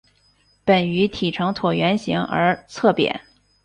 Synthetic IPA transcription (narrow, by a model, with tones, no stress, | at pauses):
pə˨˩ny˧˥t̪ʰi˨˩ʈ͡ʂʰɤ˧˥ŋt̪ʰwɔ˨˩ɥɛ˧˥nɕi˧˥ŋə̰˞˧˥t͡sʰɤ˥˩pjɛ̰˨˩˦n